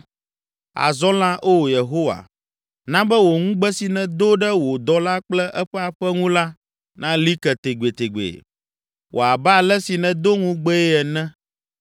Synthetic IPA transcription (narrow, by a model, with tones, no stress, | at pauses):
a̰˨zɔ̃˦lã˦ʔo˦˨je˨ɦo˦wa̰˨ | nã˦bɛ˦wo˨ŋũ˦ɡ͡bɛ˦si˨nɛ̃˦d̪o˦ɖɛ˦wo˨d̪ɔ˦la˦k͡plɛ˦ʔɛ˦ɸɛ˦a˨ɸɛ˦ŋũ˦la˦ | nã˦li˦kɛ˨t̪e˨ɡ͡be˨t̪e˨ɡ͡bḛ˨ | wʔo̰˨a˨ba˦˨lɛ˦si˨nɛ̃˦d̪o˦ŋũ˦ɡ͡bɛ˦ɛ˦ɛ˨nɛ̃˦